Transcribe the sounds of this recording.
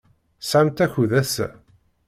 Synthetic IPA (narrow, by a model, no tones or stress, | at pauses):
sʕamt̪æçuðæsæ